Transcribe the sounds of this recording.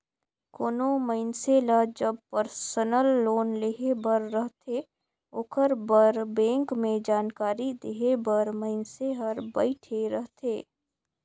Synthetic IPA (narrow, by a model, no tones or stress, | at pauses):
koːnoməɪnselad͡ʒəb̚pəɾsənəlːoːnleɦebəɾːəɦt̪ʰe | oːkʰəɾbəɾbɛ̃ːŋkmẽd͡ʒaːnkaːɾid̪eɦebəɾməɪnseɦɐɾbɐɪʈʰeɾəɦt̪ʰeː